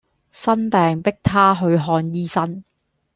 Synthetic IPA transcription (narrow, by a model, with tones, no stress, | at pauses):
sɐ˥npɛː˨ŋpɪ˥k̚t̪ʰaː˥ɦɵ˧ɥɦɔː˧njiː˥sɐ˥n